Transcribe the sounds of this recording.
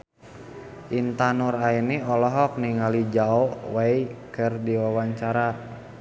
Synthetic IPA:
ʔint̪anurainiɔlɔɦɔk̚niŋalid͡ʒaɔwaikɨrdiwawaɲt͡ʃaɾa

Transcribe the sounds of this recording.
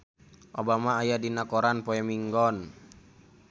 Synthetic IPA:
ʔobamaːjadinakɔɾanpɔɛmiŋɡɔn

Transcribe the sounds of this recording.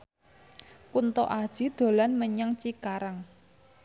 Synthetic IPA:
kunt̪ɔ̰ʔad̥ʒ̥id̪̥o̤lanməɲaŋt͡ʃikaɾaŋ

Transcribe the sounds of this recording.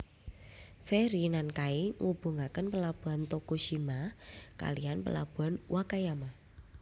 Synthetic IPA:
fɛɾinankaiŋub̥uŋakənpəlab̥uɦant̪okuʃimaka̰lianpə̰la̰b̥ṳanwʔakajama

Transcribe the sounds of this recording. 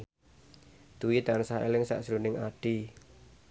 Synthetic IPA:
d̪̥uwit̪ansaḛlɪŋsa̰ʔsɾunɪŋaɖ̥i

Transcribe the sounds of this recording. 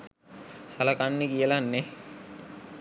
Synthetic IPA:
salakanːekijəlanːe

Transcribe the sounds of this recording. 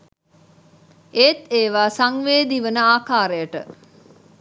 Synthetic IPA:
eːt̪eːʋaːsaŋʋeːd̪iʋənəaːkaːɾejəʈə̰

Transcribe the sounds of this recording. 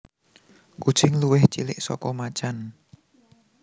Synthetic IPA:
kud̥ʒ̥ɪŋluwɪht͡ʃilɪʔsɔ̰kɔmat͡ʃan

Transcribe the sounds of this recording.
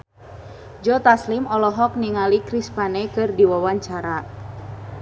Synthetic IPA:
d͡ʒɔt̪aslimɔlɔɦɔk̚niŋalikɾispanɛkɨrdiwawaɲt͡ʃaɾa

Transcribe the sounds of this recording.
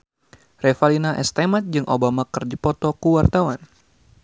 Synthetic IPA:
rɛfalinaʔɛ̰st̪emat̪̚d͡ʒɨŋʔobamakɨrd͡ʒipɔt̪ɔkuwart̪awan

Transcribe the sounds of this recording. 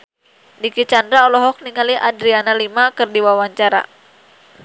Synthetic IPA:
dikit͡ʃandɾaɔlɔɦɔk̚niŋaliadɾianalimakərdiwawaɲt͡ʃaɾa̰

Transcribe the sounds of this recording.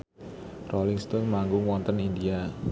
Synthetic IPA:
rɔliŋst̪ɔnmaŋɡʊŋwɔnt̪ənindia

